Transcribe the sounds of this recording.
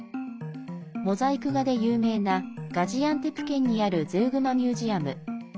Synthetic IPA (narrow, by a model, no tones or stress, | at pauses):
mo̞zaikɯ̟ɡad̪e̞jɯːme̞ːnaɡ̥aʑiãnt̪e̞pɯ̟̥kẽ̞ɲ̟ːiaɾɯ̟zɨːɡɯ̟mamʲjɨːʑiamɯ̟